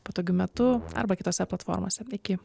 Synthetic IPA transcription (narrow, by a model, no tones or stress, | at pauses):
poːt̪oːɡʲʊmʲɛt̪ʊɐ̰ɾbɐkʲɪt̪oːsʲɛplˠɐt̪fo̰ːɾmo̰ːsʲɛɪkʲɪ